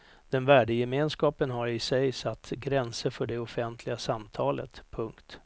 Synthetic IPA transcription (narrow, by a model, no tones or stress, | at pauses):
d̪̥ɛnvæːɖəjɛmeːnskɑːpənɦaɾɪsɛjsat̪ːɡɾɛnsəɾfœɖɛɔfɛnt̪ʰlɪɡasamt̪ʰɑːlə̰t̪pʰɵŋkt̪